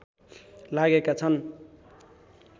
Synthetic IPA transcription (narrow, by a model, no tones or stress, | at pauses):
laɡekat͡sʰʌn